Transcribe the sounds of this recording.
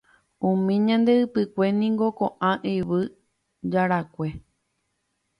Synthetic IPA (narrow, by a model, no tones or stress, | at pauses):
ũmĩɲãnd̪e̞ɨpɨkʷe̞nĩŋɡo̞koʔãʔeʋɨ | d͡ʒaɾakʷe̞